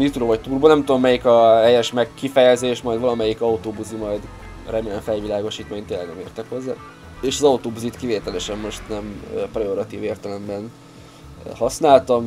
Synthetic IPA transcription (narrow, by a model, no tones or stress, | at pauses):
nit̪ɾoːvɒc̚t̪uːrboːnɛmt̪ud̪omːɛjikɒɛjɛʃmɛkːifɛjɛzeːʃmɒjd̪vɒlɒmɛjikɒut̪oːbuzimɒjd̪ | rɾɛmeːnɛɱfɛlvilaːɡo̞ʃiːt̪meːɲt̪eːlːɛɡnɛ̰meːrt̪ɛkho̞zːa̰ː | eːʃɒzɒut̪oːbuzit̪kiveːt̪ɛlɛʃɛmːo̞ʃt̪nɛmprɛoɾɒt̪ḭːveːrt̪ɛlɛmbɛn | hɒsnaːlt̪ɒm